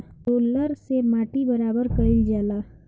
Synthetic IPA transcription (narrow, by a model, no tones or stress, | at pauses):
ʈoːləɾsemaːʈibəɾaːbəɾkəɪld͡ʒaːlaː